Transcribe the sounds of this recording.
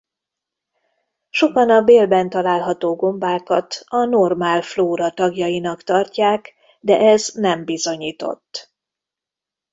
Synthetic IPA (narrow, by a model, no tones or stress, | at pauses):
ʃo̞kɒnɒbeːlbɛnt̪ɒlaːlɦɒt̪oːɡo̞mbaːkɒt̪ɒno̞rmaːlfloːɾɒt̪ɒɡjɒjinɒkt̪ɒrcaːk | d̪ɛ̰ʔɛznɛmbizo̞ɲiːt̪o̞̰t̪ː